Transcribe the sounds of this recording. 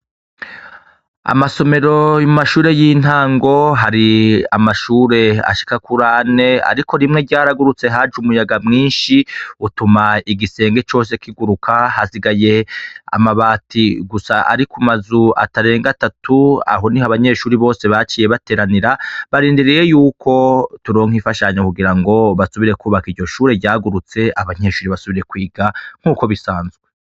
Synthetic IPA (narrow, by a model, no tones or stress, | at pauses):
a̰maso̞me̞ɾo̞jumaʃuːɾe̞jiːn̥haːŋɡo̞ɦaɾiamaʃuːɾe̞a̰ʃi̥kakuɾaːne̞a̰ɾiko̞ɾimŋe̞ɟaːɾaɡuɾut͡se̞ɦad͡ʒumujaɡamŋiːnʃiutumaiɡise̞ːŋɡe̞t͡ʃo̞ːse̞kiɡuɾukʰahasiɡaje̞a̰maβaːtiɡusaʔa̰ɾikumazua̰taɾe̞ːŋɡatatʰua̰ɦo̞nihaβaɲe̞ʃuːɾiβo̞ːse̞βat͡ʃiːje̞βate̞ːɾaniɾaβaɾiːndiɾije̞juːkʰo̞tuɾo̞ːŋhifaʃaɲakuɡiɾaŋɡo̞βasuβiɾe̞kuːβakiɾɟo̞ʃuːɾe̞ɟaːɡuɾut͡se̞aβaɲe̞ːʃuːɾiβasuβiɾe̞kwiːɡaŋ̥huːko̞βisaːnzɡwe